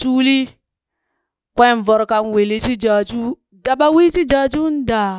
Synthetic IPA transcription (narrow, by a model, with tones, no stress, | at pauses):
t͡ʃuː˦li˦ | kʷe˦n˨vɔ˨ɾka˦nwe˨li˦si˦d͡ʒa˨d͡ʒu˦ | da˨ɓa˦wi˦si˦d͡ʒa˨˦d͡ʒu˦n˦da˨